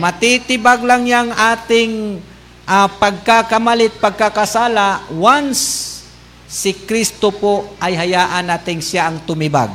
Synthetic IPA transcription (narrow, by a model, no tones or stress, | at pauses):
mɐt̪it̪ɪbaɡlaŋjaŋʔaːt̪ɪŋ | ʔapɐɡ̚kakɐmalɪt̪̚pɐɡ̚kakasaːlawansː | ɪkɾist̪opoʔɐjɦɐjaːʔanaːt̪ɪŋsjaʔɐŋt̪ʊmɪba̰ɡ̚